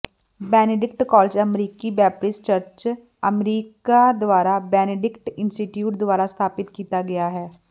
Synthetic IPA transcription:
bɛːneɖɪk̚ʈkɔːld͡ʒəmɾiːkibɛːpɾɪst͡ʃəɾt͡ʃ | əmɾiːkad̪ʊʋaːɾabɛːneɖɪkʈɪ̃nsʈɪʈjuːʈd̪ʊaːɾast̪ʰaːpɪt̪kiːt̪aɡɐjaːɦɛː

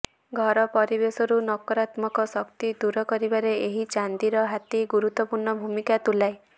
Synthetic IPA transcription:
ɡʱɔɾɔpɔɾibesɔɾunɔkɔɾat̪mɔkɔsɔkt̪id̪uɾɔkɔɾibaɾeeɦit͡ʃand̪iɾɔɦat̪iɡuɾut̪ːɔpuɾɳɔbʱumikat̪ulae

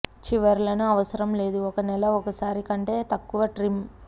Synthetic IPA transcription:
t͡ʃiʋɐɾlɐnuɐʋɐsɐɾɐmle̞ːd̪uɔkɐnɛlɐɔkɐsaːɾikɐɳʈe̞ːt̪ɐkːuʋɐʈɾim

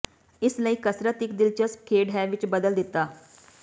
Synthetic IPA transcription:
ɪsləiːkəsɾət̪ɪkd̪ɪlt͡ʃəskʰeːɖɦɛːʋɪt͡ʃbəd̪əld̪ɪt̪ːaː

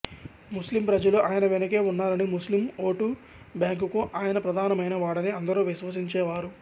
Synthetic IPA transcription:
muslimpɾɐd͡ʒɐluʔaːjɐnɐʋenɐke̞ːunːaːɾɐnimuslimo̞ːʈu | bjaːŋkukuʔaːjɐnɐpɾɐd̪ʱaːnɐmɐjnɐʋaːɽɐniɐnd̪ɐɾuːʋiʃʋɐs̬iɲt͡ʃɛːʋaːɾu

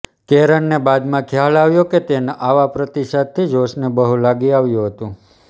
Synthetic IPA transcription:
keɾəɳnebad̪mãkʰjalaʋjoket̪enʔaʋapɾət̪iʃad̪̚t̪ʰːid͡ʒosnebəɦulaɡiaʋjũɦət̪ũ

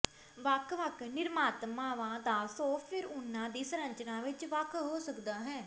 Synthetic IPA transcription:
ʋəkʰʋəknɪɾmaːt̪mãːʋãːd̪aːsɔ̃ːpʰɪɾʊnːãːd̪iːsəɾəɲt͡ʃnãːʋɪt͡ʃʋəkʰɦoːsəkd̪aːɦɛ̃ː

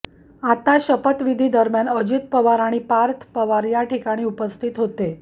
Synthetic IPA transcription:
at̪aɕəpət̪ʋid̪ʱiːd̪əɾmjanəd͡ʑit̪̚pəʋaɾaɽ̃ipaɾt̪ʰpəʋaɾjaʈʰikaɽ̃iːupəst̪ʰit̪ɦot̪e

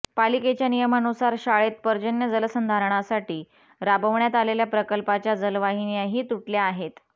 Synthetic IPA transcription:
paliket͡ɕjanijəmanusaɾɕaɭet̪̚pəɾd͡ʑənjəd͡zəlsənd̪ʱaɾəɳ̃asaʈiː | ɾabəʋɳjat̪aleljapɾəkəlpat͡ɕjad͡zəlʋaɦinijaɦiːt̪uʈljaːɦet̪

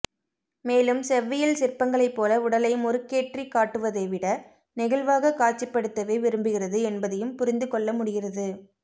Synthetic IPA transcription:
meːlɯmsɛʋːɐjɐlsɪrpɐŋɡɐɭɐɪpːoːlɐʊɽɐlɐjɯmɔɾɯkːeːʈrikaːʈːɯʋɐðɐɪʋɪɽɐ | nɪɣɐɭʋaːɣɐkaːʈt͡ʃːɪpːɐɽɯt̪ːɐʋɐɪʋɪɾɯmbɯɣɪrɐðɯɛnbɐðɐjɯmpʊɾɪnd̪ɯkɔɭːɐmʊɽɪɣɪrɐðɯ

